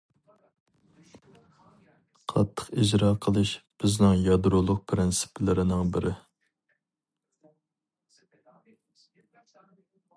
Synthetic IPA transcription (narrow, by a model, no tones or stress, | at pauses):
qʰɑ̰t̪ʰːə̥qid͡ʒɾɑːqʰəlˠɨʃb̥ɪznɪŋjɑd̪ɾolˠʊq̚pʰɾɪnsɪ̥pʰɪlɪɾɪnɪŋbɪɾʔɪ